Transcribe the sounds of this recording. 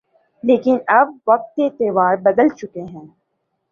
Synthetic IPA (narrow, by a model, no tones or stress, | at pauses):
leːkɪnɐb̚ʋɐk̚t̪ːet̪eːʋaːɾbɐd̪əlt͡ʃʊkeɦɛ̃ː